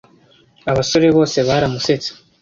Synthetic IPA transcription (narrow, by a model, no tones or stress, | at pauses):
aβaso̞ɾe̞βo̞ːse̞βaɾamuse̞t͡se̥